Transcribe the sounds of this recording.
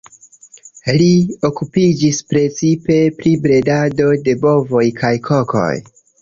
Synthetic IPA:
lio̞kupid͡ʒispɾe̞t͡sipe̞pɾibɾe̞dado̞de̞bo̞vo̞jkʰajkʰo̞ko̞̰j

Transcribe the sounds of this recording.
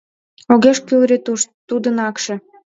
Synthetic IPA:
oɣeʃkylɾet̪t̪ud̪ənɑkʃĕ

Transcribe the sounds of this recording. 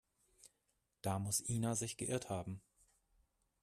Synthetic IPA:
d̥aːmʊsʔiːnazɪçɡ̥əʔɪɐthaːbm̩

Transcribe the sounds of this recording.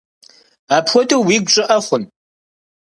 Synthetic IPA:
aːpʰxʷɔtʼowwiːɡʷʼɕʼɪʔɐχʷʊn

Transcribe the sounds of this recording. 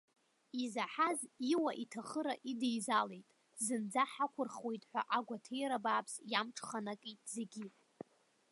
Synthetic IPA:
izaħaziwaʔitʰaχəɾaʔidejzale̞jtʼ | zɨnd͡zaħakʷʰʊrχwe̞jtʼħʷa̰ʔaɡʷatʰejɾabaːpʰsjamʈ͡ʂʰʼχanakʼijtʼze̞ɡʲi

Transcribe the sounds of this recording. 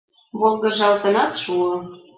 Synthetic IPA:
βolˠɣɤ̆ʒɑlt̪ə̆nɑt̪ʃuɤ̆

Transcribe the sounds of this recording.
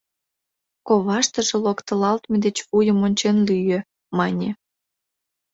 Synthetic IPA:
koβɑʃt̪əʒĕlokt̪ə̆lɑlt̪med̪et͡ɕujəmonʲt͡ɕenlyjø | mɑnʲe

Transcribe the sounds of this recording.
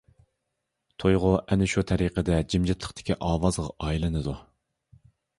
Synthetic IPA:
t̪ʰojʁʊʔɛnɪʃut̪ʰɛɾiqʰəd̪ɛd͡ʒimd͡ʒɪt̪ʰlˠəχt̪ʰɪ̥kʲʰiʔɑːwɑzʁɑʔɑjilˠɨnɨd̪u

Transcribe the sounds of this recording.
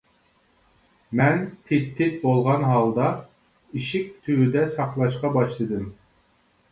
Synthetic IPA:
mɛnt̪ʰɪpt̪ʰːɪt̪̚bolˠʁɑnɦɑlˠd̪ɑ | iʃik̚ʲt̪ʰywyd̪ɛsɑqlˠɑʃqɑbɑʃlˠɨd̪ɨm

